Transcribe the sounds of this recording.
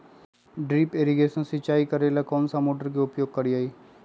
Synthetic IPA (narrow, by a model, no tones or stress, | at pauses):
ɖɾiːpeːɾiɡeːʃənsɪt͡ʃaːikəɾeːlakɔːnsamoːʈəɾkiʊpjoːɡ̚kɐɾiaːiː